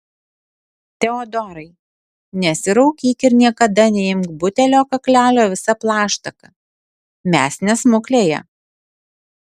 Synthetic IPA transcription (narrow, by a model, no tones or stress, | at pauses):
t̪ʲɛoːd̪ɔɾɐɪ | nʲɛsʲɪɾɐʊkʲiːkɪɾnʲiɛkɐd̪ɐnʲɛɪmkbʊt̪ʲɛlʲoːkɐklʲæːlʲoːʋʲɪsɐplˠɑːʃt̪ɐkɐ | mʲæːsʲnʲɛsmʊklʲeːjɛ̰